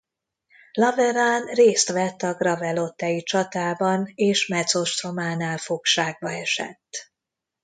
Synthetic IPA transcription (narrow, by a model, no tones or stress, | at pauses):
lɒvɛɾanreːst̪ʋɛt̪ːɒɡrɒvɛlo̞t̪ːɛjit͡ʃɒt̪aːbɒneːʃmɛt̪so̞ʃt̪ro̞maːnaːlfokʃaːɡ̚bɒɛʃɛ̰t̪ː